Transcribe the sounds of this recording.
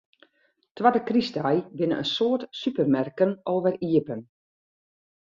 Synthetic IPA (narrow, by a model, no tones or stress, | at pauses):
twadəkristajbɪnə̰ʔə̰nsoətsypərmɛrkənoːvəriəpən